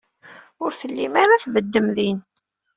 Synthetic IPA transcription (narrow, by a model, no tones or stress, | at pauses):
ʊɾθəlːimaɾaθvəd̪ːəmðin